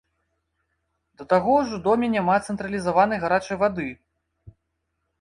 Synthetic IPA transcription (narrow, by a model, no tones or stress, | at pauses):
d̪̥ɐt̪aɣɔwʐɔd̪ɔmʲɛnʲamat̪sɛnt̪ɾɐlʲizavan̪ɐjɣaɾat͡ʂɐjvad̪ɨ